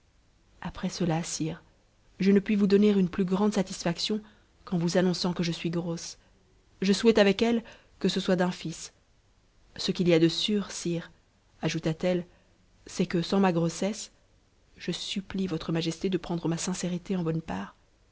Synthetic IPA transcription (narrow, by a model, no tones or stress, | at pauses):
apχɛsəlasiʁ | ʒənəpɥivud̪ɔneʁynplyɡʁɑ̃d̪sat̪isfaksjɔ̃ | kɑ̃vuzanɔ̃sɑ̃kəʒəsɥiɡʁos | ʒəswɛt̪avɛkɛl | kəsəswad̪ɛ̃fis | səkʲiliad̪əsyːʁsiʁ | aʒut̪at̪ɛl | sɛkəsɑ̃maɡʁosɛs | ʒ̥əsyplivɔt̪χəmaʒɛst̪ed̪əpχɑ̃d̪ʁəmasɛ̃seʁit̪eɑ̃bɔnpaːʁ